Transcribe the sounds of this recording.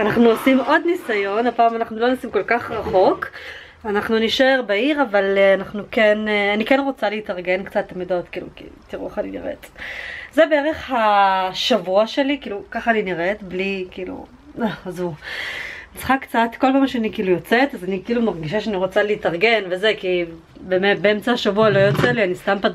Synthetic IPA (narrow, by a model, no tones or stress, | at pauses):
anaχnuosimo̞d̪nisajo̞nhapaːmanaχnulonasimkolkaχʁaχo̞k | anaχnuniʃeʁbeiʁavalanaχnukenanikenʁo̞t͡saleitaʁɡe̞nkt͡satlemidotkiːlṵkitiʁueχaninḭʁʔḛtzebeeʁeχhaʃavuaʃe̞likiːlukaχaːniniʁetblikiːlṵ | aazu | nit͡sχakt͡satko̞lpaːmʃeanikiːlujot͡setazanikiːlumaʁɡiʃ̬aʃeaniʁo̞t͡saleitaʁɡe̞nvezeki | bemetbeemt͡saaʃavualo̞jo̞t͡selianist̪ampa